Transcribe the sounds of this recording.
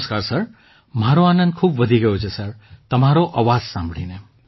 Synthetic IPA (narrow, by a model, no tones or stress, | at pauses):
skaɾsəɾ | mɦaɾoanənd̪̚kʰuːbʋəd̪ʱiɡɐjot͡ʃʰesəɾt̪ɐmaɾoʔaʋad͡zsãmbʱɽine